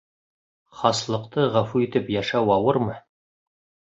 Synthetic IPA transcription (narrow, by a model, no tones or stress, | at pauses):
χɑslˠɤ̆qt̪ɤʁæfuit̪ɘpjɑʃɑwɑwɤɾmɤ